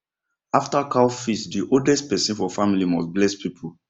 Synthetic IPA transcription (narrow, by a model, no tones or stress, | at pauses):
aftakalfisdiʔodɛst̚pɛsĩnfɔfamilimɔsblɛspʰipʰu